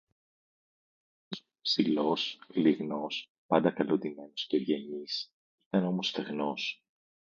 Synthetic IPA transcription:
psilo̞sliɣno̞s | pɐnd̪ɐkɐlond̪ime̞nosceɾʝɐɲis | it̪ɐno̞mo̞sθeɣno̞s

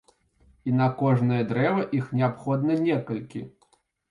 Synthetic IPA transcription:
inɐkɔʐnɐjɐd̪ɾɛvɐʔixnʲɛapxɔd̪nɐnʲɛkɐlʲkʲḭ

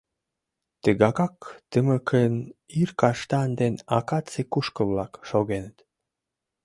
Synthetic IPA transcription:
t̪əɣɑkɑkt̪əməkʰənirkɑʃt̪ɑnd̪enɑkɑt͡sekuʃkəβlɑkʃoɣenət̪

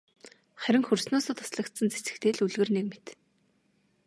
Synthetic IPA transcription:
χæɾʲɪ̆ŋxɵrsnʊːsə̆t̪ʰʊ̥sɮə̆kt̪sə̆nt͡se̥sɘ̥̆xt̪eːɮuɮɣɘ̆rnek̚met̪

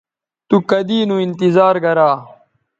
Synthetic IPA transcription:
t̪ukɐd̪iːnũint̪izaːɾɡɐɾaː

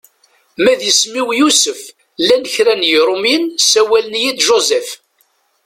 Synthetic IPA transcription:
mæðjəsmiwjusəf | lːænəçɾænjiɾˤʊminsæwælənjid̪ʒozɛf

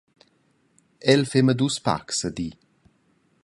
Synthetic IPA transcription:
ɛlfemɐd̪uspa̰ksɐd̪i

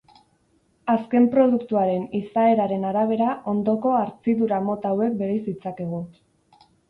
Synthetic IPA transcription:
aske̞mpɾo̞ð̞ukt̪uaɾe̞nisae̞ɾaɾe̞naɾaβ̞e̞ɾaʔo̞nd̪o̞ko̞aɾt͡siðuɾamo̞t̪awe̞k̚be̞ɾajsit͡sake̞ɣ̞u

